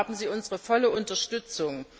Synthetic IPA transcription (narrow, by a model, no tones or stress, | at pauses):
bm̩ziːʔʊnzəʁəfɔləʔʊntɐʃtʏt͡sʊŋ